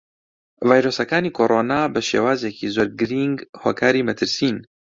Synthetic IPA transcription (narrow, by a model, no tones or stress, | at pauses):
vaːjɾoːsɐkaːniːkʰoːɾʔoːnaːbəʃḛːwaːzekʰiːzoːɾɡɨɾiŋɡhoːkʰaːɾiːmɐt̪ʰɨɾsiːn